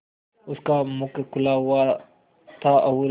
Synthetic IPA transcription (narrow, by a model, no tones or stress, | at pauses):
ʊskamʊkkʰʊlaɦʊa | t̪ʰaɐwu